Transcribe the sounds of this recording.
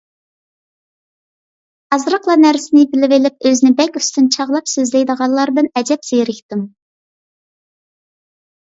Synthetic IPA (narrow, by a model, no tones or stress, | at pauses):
ɑzɾəqlˠɑnæɾsɪnɪbɪlɪvɪlɪp̚øznɪbɛkʲyst̪ynt͡ʃʰɑʁlˠɑpsøzlɪjd̪əʁɑlˠɑɾd̪ɨnɛd͡ʒɛpsejɾɪkʲt̪ɪm